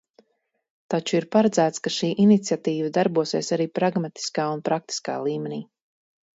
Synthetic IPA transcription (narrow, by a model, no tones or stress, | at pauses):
t̪at͡ʃuiɾpaɾad̪zæːt̪skaʃiːʔinit̪sijat̪iːvad̪aɾbuɔsiɛsaɾiːpɾaɡmat̪i̥skaːunpɾak̚t̪i̥ska̰ːlˠiːmeniː